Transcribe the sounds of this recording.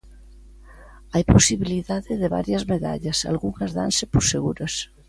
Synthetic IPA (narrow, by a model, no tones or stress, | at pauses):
ajposiβiliðaðɪðeβa̰ɾjɐzmeða̰ʎɐsa̰lɣuŋɐzða̰nsɪposeɣuɾos